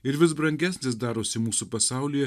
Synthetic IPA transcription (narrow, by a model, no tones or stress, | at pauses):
ɪɾʋʲɪsbɾɐŋʲɡʲɛsʲnʲɪs̬d̪ɑːɾoːsʲɪmuːsupɐsɑˑʊlʲiːjɛ